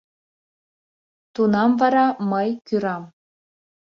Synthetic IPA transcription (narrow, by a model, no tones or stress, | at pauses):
t̪unɑmvɑɾɑmɤjkʲyɾɑm